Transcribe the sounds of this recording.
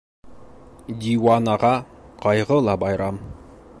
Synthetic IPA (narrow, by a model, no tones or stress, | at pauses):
d̪ʲiwanɑʁɑqɑjʁɤlˠɑbɑjɾɑm